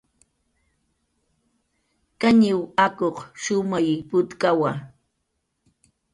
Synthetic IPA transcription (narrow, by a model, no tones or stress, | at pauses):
kaɲɪwakoχʃʊmajpʊt̪kawa